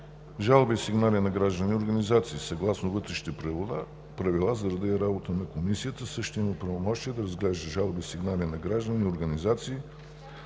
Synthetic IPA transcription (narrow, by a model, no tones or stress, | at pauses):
ʒalˠbisiɡnalinɐɡɾaʒd̪ənioɾɡənizat̪siːsɐɡlˠasnovɤt̪ɾɛʃi̥t̪ɛpɾɛvod̪a | pɾɐvilˠazɐɾɐd̪iɛɾabot̪ənɐkomisiət̪əsɤʃt̪ɛiməpɾɐvomɔʃt̪iɛd̪ɐɾəzɡlɛʒd̪əʒalˠbisiɡnalinɐɡɾaʒd̪ənioɾɡənizat̪siː